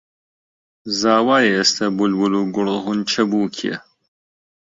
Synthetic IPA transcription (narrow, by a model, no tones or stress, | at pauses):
zaːwaːjeest̪ʰɐbulwuluːɡʊɾɦunt͡ʃʰɐbuːkʰiḛ